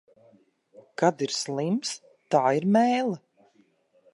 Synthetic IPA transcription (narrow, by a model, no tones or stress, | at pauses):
kad̪iɾslˠims | t̪aːiɾmɛːjlˠa